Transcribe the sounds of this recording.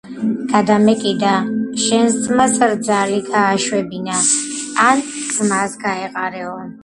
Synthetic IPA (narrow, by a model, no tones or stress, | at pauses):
ɡ̥ad̪amɛkʼid̪aʃɛnsd̪zmasɾd̪zaliɡaːʃwɛbinaː | nd̪z̥masɡaɛqʼaɾɛɔn